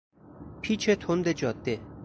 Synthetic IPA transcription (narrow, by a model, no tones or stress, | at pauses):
pʰiːt͡ʃʰet̪ʰond̪ed͡ʒɒd̪̥ːe